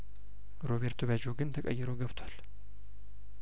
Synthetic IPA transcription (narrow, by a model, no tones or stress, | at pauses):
ɾo̞βeɾt̪ʰoβad͡ʒo̞ɡɨnt̪ʰəkʼə̰jːɪɾo̞ɡəβt̪ʰwal